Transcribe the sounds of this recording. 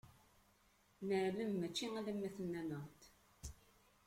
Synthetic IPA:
nəɾləmːæt͡ʃːiæðæmːæθənːænəʁt̪

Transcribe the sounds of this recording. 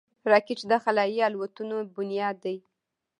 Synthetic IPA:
ɾɑkit͡ʃd̪axalɑjialwat̪unobʊnjɑd̪ːaj

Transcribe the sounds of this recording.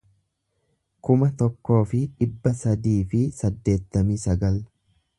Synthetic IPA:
kʊmɐt̪ɔkːo̞ːfɪᶑɪbːɐsɐd̪iːfɪsɐd̪ːe̞ːt̪ːɐmiːsɐɡɐl

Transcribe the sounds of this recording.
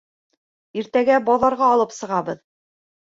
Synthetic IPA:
iɾt̪æɡæbɑðɑɾʁɑːlˠɤpsɤ̆ʁɑbɤð

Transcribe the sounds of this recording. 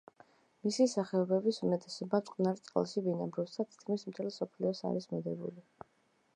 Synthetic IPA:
misisaχɛɔbɛbisumɛt̪ʼɛsɔbamt̪ʼqʼnaɾt̪sʼqʼlˠʃivinabɾufsʰat̪ʰi̥t̪̚kʰmismt̪ʰɛlˠsɔpʰliɔsa̰ɾismɛd̪ɛbṵli

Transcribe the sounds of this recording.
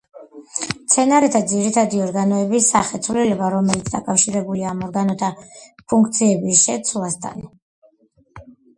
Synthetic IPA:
t̪sʰɛnaɾɛt̪ʰad̪ziɾit̪ʰad̪iɔɾɡanɔɛbisaχɛt̪sʰvlilɛbaɾɔmɛlit̪sʰd̪akʼafʃiɾɛbuliaːmɔɾɡanɔt̪ʰapʰuŋkʰt̪sʰiɛbisʃɛt̪sʰlˠast̪ʰa̰n

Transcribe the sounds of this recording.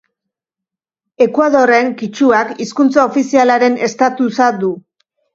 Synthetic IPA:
e̞kwaðo̞re̞ŋkit͡ʃuakiskunt͡saofisialaɾe̞ne̞st̪at̪usad̪u

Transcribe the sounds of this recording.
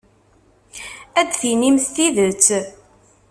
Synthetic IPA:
æd̪θinimst̪iðət͡sː

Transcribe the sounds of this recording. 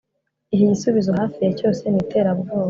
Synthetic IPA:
iɦiɟisuβizo̞ɦaːfijeco̞ːse̞nite̞ːɾaβuɾɡoːβo

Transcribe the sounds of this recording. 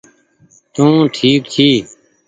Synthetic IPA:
t̪ũːʈʰiːkt̪ʰiː

